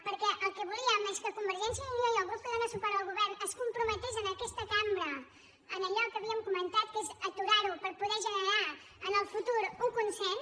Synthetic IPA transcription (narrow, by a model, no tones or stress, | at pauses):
puɾkɛʔɐkɨβulˠiɐmɛʃkɐkũmbɨɾʒẽnsjɐiɐjɔɣɾupɛðɐnɔsupaɾalˠɣuβɛɾnɐskũmpɾumɐt̪izɐnɐkɛʃt̪ɐkamɾɐ | ɐmɐʎɔɾkɐβiɐmkumẽnt̪aðkezɐt̪uɾaɾupɐɾpuðeʒɨnɨɾaɾ | ɐnɔfut̪uɾuukũnsẽn